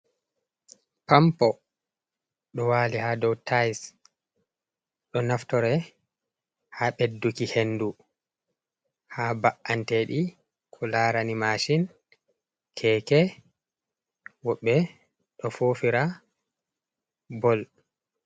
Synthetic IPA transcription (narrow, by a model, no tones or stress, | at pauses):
pampɔ | ɗɔwaːlihaːdɔwtʰajs | ɗɔnaftɔɾɛ | haɓedːukihenːdu | haːbaʔanteːɗi | kʰɔlaːɾanimaʃin | kʰɛːkɛ | wɔɓːɛ | ɗɔfoːfiɾa | bɔl